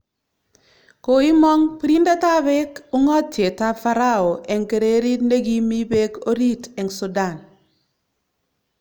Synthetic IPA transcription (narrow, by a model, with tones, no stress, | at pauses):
ko˨i˦mɔ˦ŋpi˦ɾi˦nda˦ta˦βe˦ku˦ŋɔ˦tːje˨ta˦fa˦ɾa˦˨o˨ʔɛ˨ŋke˨ɾe˦ɾi˦tne˦ɡi˦mi˦be˦ko˦ɾi˦tɛ˨ŋsu˨da˦˨n